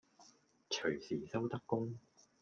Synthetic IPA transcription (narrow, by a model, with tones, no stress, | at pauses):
t͡ʃʰɵ˨˩ɥsiː˨˩sɐ˥wt̪ɐ˥kːʊ˥ŋ